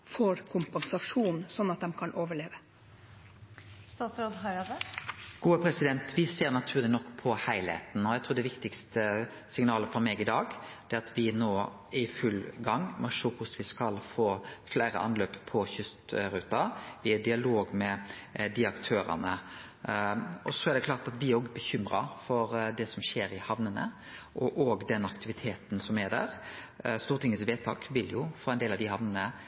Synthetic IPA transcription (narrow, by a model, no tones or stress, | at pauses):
fɔɾkʰʊmpɛnsɑʂuːnsɔnːɑt̪̚d̪ɛmkʰɑnʔoːʋəɭeːʋə | st̪ɑsɾod̪ɦɑɪɑd̪əɡ̥uːəpʰɾɛsɪd̪ɛnt̪ʋɪseːɾnɑt̪ʰʉːʁlɪnɔkːpʰɔhæɪlhḛːt̪n̩ɔæɪt̪ʰɾuːd̪ɛʋɪkt̪ɪkst̪ʰə | sɪŋnɑːləfɔɾmeːɡɪd̪ɑːɡd̪̥ɛæɾɑt̪ʰʋɪnoː | ɪfʉlɡɑŋːmɔʂoːhʊsʋɪskɑlfoːflæːɾə̰ʔɑ̰nløːppʰɔçʏst̪ɾʉːt̪ɑʋɪɛd̪ɪɑloːɡmɛd̪ɪɑkt̪ʰøːɾə̰nə | ɔsɔæɾd̪ɛkʰlɑːɾt̪ɑt̪ʋɪæɾoːɡbəçʏmɾɑ̰fɔɾd̪ɛsɔmɕeːɾɪhɑʋnənə̰ | ʔɔʔoːɡd̪ɛnɑkt̪ɪʋɪt̪ʰeːt̪nsɔmɛd̪æ̰ɾ | st̪uːɾt̪ɪŋːət̪sʋeːt̪ʰɑ̰ːkʋɪljʊfoːæɪnd̪eːlɑʋd̪ɪhɑʋnənə